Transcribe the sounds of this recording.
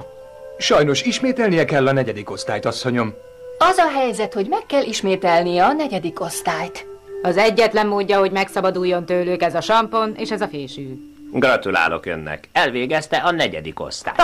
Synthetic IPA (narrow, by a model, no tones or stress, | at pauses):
ʃɒjno̞ʃiʃmeːt̪ɛlnijɛkɛlːɒnɛɟɛd̪iko̞st̪aːjt̪ɒsːo̞ɲo̞m | ɒzɒɦɛjzɛt̪ho̞ɟmɛkːɛlʔiʃmeːt̪ɛlnijɛɒnɛɟɛd̪iko̞st̪aːjt̪ɒzɛɟːɛt̪lɛmːoːɟːɒho̞ɟmɛksɒbɒd̪ujːo̞nt̪øːløːkɛzɒʃɒmpo̞neːʃɛzɒfeːʃyː | ɡrɒt̪ula̰ːlo̞̰kø̰nːɛ̰kɛlʋeːɡɛst̪ɛʔɒnɛɟɛ̰d̪iko̞̰st̪a̰ːj